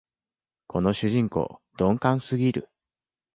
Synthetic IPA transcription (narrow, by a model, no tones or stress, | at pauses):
ko̞no̞ɕɨʑĩŋko̞̰ːd̪õ̞ŋkãɰ̃sɨɡʲiɾɯ̟̰